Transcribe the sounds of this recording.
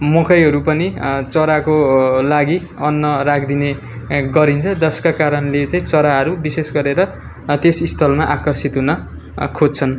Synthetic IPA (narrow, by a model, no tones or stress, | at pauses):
mokʰʌjɦʌɾupʌnit͡sʌɾakolaɡi | ʌnːʌrak̚ʰd̪ine | ɡʌɾint͡sʰʌd̪ʌskakaɾʌnlet͡saĩt͡sʌɾaɦʌɾubisesɡʌɾeɾʌ | t̪esist̪ʰʌlmaʔakʌrsit̪ɦunʌ | kʰod͡zt͡sʰʌn